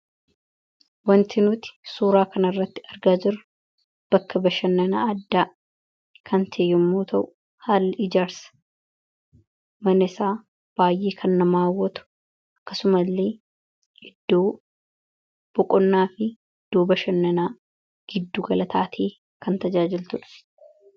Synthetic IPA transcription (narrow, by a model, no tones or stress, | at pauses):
wɐnt̪ʰɪnʊt̪ɪ̥suːɾaːkʰɐnɐrːɐt̪ːɪ̥ɐɾɡaːd͡ʒɪɾɐ | b̥ɐkːɐbɐʃɐnːɐnaːɐd̪ːaː | kʰɐnt̪ʰeːjːʊmːoːt̪ʰɐʔʊ | haːlːʔɪd͡ʒaːɾsɐ̥ | mɐnɪsaː | b̥aːjʔeːkʰɐnːɐmaːwːɔt̪ʊ̥ | ɐkːɐsʊmɐlːeː | ʔɪd̪ːoː | b̥ɔkʼɔnːaːfɪ | ɪd̪̥ːo̞ːbɐʃɐnːɐnaː | ɡ̥ɪd̪ːuːɡɐlɐt̪ʰaːt̪ʰeː | kɐnt̪ɐd͡ʒaːd͡ʒɪlt̪ʊᶑɐ̥